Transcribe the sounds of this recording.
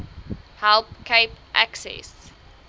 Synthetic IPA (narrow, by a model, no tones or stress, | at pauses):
hɛlpkʰeɪpʔæksɛ̰s